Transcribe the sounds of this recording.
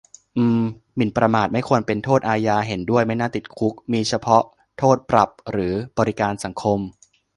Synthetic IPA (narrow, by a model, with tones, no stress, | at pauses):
ʔɯː˧˩m | mi˨˩˦npɾa˧maː˨˩t̪̚ma˥˩jkʰu˧ənpe˧nt̪ʰoː˥˩t̪̚ʔaː˧jaː˧ɦe˩˦ndu˥˩əjma˥˩jnaː˥˩t̪i˨˩t̪̚kʰu˦˥k̚miː˧t͡ɕʰa˧pʰɔ˦˥ | t̪ʰoː˥˩t̪̚pɾa˨˩p̚ɾɯː˩˦bɔː˧ɾi˦˥kaː˧nsa˩˦ŋkʰo˧m